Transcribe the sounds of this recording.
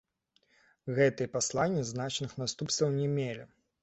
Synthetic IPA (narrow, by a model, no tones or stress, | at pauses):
ɣɛt̪ɨjɛpaslˠanʲːiznat͡ʂnɨxnast̪upst̪vɐwnʲɛmʲelʲi